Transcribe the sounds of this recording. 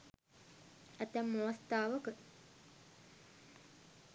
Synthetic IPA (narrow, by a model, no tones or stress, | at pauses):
æt̪əmːoʋəst̪aːʋəkə